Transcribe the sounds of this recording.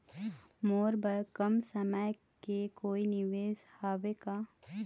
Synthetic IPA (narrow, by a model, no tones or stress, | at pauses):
moːɾbəɾkəmsəməj | kekoːinɪʋeːzhaːʋekaː